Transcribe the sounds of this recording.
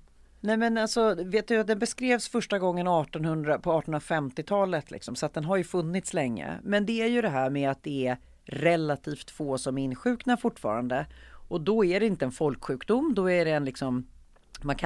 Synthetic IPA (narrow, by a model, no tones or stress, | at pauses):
nɛjmɛnalsɔveːt̪̚d̪ɵvat̪̚d̪ɛnbɛskɾeːvsfœʂʈaɡɔŋːənɔɑːʈɔnhɵnd̪ɾapʰɔɑːʈɔnnɾafɛmt̪ɪt̪ʰɑːlət̪lɪ̰ksɔmsɔat̪̚d̪ɛnɦaɾjɵfɵnːɪt̪slɛŋːə̰mɛnd̪ɛæɾjɵd̪ɛɦæːɾmɛat̪̚d̪ɛæɾ | ɾɛlat̪ʰiːft̪foːsɔmæɾɪnɧʉ̟ːknafʊʈːfɑ̰ːɾand̪əɔd̪ɔæɖɛɪnt̪əɛnfɔlkɧʉ̟ːkd̪ʊmːd̪ɔæɖɛːnlɪksɔm | mankʰ